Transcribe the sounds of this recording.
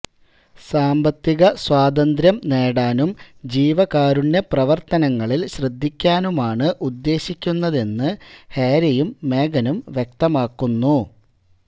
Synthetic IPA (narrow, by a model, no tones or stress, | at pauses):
saːmbɐt̪ːiɣɐswaːd̪ɐnd̪ɾjɐmne̞ːɽaːnumd͡ʑiːʋɐkaːɾuɳdeprɐʋɐrt̪ɐnɐŋːɐɭilɕrɨd̪ʱːikʲːaːnumaːɳɨʔud̪ːe̞ːɕikʲːunːɐðe̞nːɨheːɾɐjumːe̞ːɡɐnumʋjek̚t̪ɐmaːkːunːu